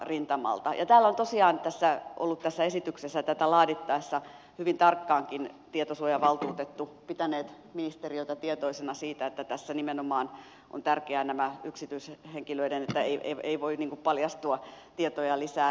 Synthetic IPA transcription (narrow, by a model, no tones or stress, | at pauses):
rint̪ɑmɑ̰lt̪ɑ̰jʔɑ̰t̪æːlːont̪osiɑːnt̪æsːæʔo̰lːut̪t̪æsːæesit̪yksesːæt̪æt̪ælɑːdit̪ːɑesːɑ | hyʋint̪ɑrkːɑːŋkint̪iet̪osuojɑʋɑlt̪uːt̪et̪ːupit̪æneːt̪ | minist̪erioit̪ɑt̪iet̪oisenɑsiːt̪æet̪ːæt̪æsːænimenomɑːn | ʔo̰nt̪ærkeænæmæyksit̪yisheŋkiløiɾenet̪ːæeiḛḛiʋoiniːŋkuppɑljɑst̪uɑt̪iet̪ojɑlisæː